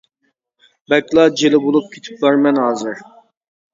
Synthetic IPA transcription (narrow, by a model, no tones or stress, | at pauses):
bɛkʲlˠɑd͡ʒelɪbolˠup̚kʲʰe̥t̪ʰɪ̥p̚bɑɾmɛnɦɑːzɨɾ